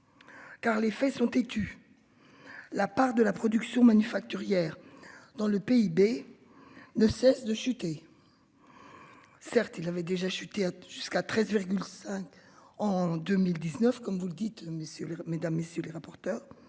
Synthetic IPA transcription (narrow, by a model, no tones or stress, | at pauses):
kaʁlefɛsɔ̃t̪et̪y | lapaʁd̪əlapχɔd̪yksjɔ̃manyfak̚t̪yʁjɛːʁd̪ɑ̃ləpeibe | nəsɛsd̪əʃyt̪e | sɛʁt̪ilavɛd̪eʒaʃyt̪eaʒ̥yskat̪χɛzviʁɡʲylsɛ̃kɑ̃d̪ømild̪iznœfkɔmvuləd̪it̪mesjømed̪amːesjøleʁapɔʁt̪œːʁ